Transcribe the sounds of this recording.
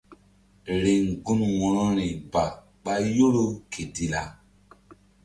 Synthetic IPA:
ɾe˨ŋ˨ɡũ˦nwɔ̃˨ɾɔ˦ɾĩ˨ba˨ | ɓa˦jo˦ɾo˦kʰe˨di˦la˨

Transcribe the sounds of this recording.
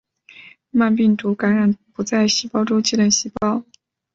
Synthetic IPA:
ma˥˧npi˥˩ŋt̪u˧˥ka˧˥nɻa˨˧˥npu˧˥t͡sa˥˩ɪɕi˧˥pɑ˥ʊʈ͡ʂʊ˥ŋt͡ɕi˥˩lə˥˩nɕi˧˥pɑ˥ʊ

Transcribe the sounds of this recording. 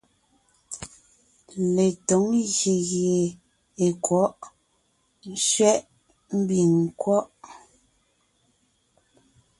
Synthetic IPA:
le˨to˨˦ŋɣje˨ɣje˨ | e˨kwɔ˨˦ʔ | n̩˦ʃɥɛ˦ʔ | m̩˦bi˨ŋ˨kwɔ˦ʔ

